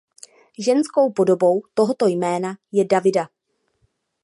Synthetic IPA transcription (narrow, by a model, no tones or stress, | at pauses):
ʒɛnsko̞wpo̞do̞bo̞wt̪o̞ɦo̞t̪o̞jmɛːnajɛdavɪda